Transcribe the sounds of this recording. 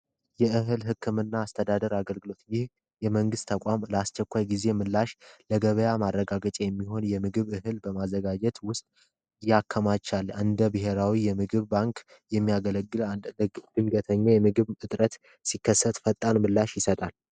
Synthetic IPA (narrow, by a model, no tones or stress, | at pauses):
jɛɨɦɨlɦɨkʰːɨmɨnːaːst̪ʰəd̪ad̪əɾaɡəlɡɨlo̞t̪jɪh | jɛməŋɡɨst̪ʰəkʷʼamləast͡ʃːɛkʷːajɡize̞mɨlːaʃləɡəβəjamarːəɡaɡət͡ʃʼajɛmːiho̞njɛmɨɡɨβɨɦɨlbəmazːəɡad͡ʒɛt̪wʊst̪ʼ | jakʰːəmat͡ʃːalɨnd̪əbɨɦe̞ɾawijɛmɨɡɨβbaŋk | jɛmːijaɡələɡːɨld̪ɨnɡət̪ʰəɲːajɛmɨɡɨβɨt̪ʼɾət̪ | sikʰːəsːət̪fət̪ʼːalmɨlːaʃjɪsət̪ʼal